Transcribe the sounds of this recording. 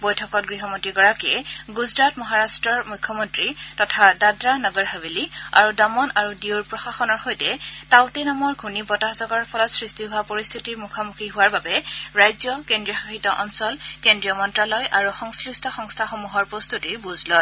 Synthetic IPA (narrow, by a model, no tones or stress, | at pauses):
bɔjtʰɔkɔt̚ɡɹiɦɔmɔntɹiɡɔɹakiɛɡuzɹatmɔɦaɹastɹɔɹmujkʰːɔmɔntɹitɔtʰadadɹanɔɡɔɹɦabilia̰ɹudɔmɔnaɹudiwɹpɹɔxaxɔnɔɹxojtɛtaʊtɛnamɔɹɡʱunibɔtazɔɡɔɹpʰɔlɔtsɹistʰiɦʊwapoɹist̪ʰitiɹmukʰamukʰiɦʊwaɹbabɛɹajzjɔkendɹijɔxaxitɔʔɔnsɔlkendɹijɔmɔntɹalɔjʔaɹuxɔŋslistʰɔxɔŋstʰaxomuɦɔɹpɹɔst̪utiɹbuzlɔ